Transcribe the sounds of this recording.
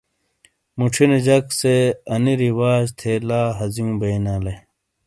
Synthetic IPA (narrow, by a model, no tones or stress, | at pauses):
muʈ͡ʂʰined͡ʑɐkseɐniɾiwaːd͡ʑt̪ʰeːlaːɦɐziũbɐinaːle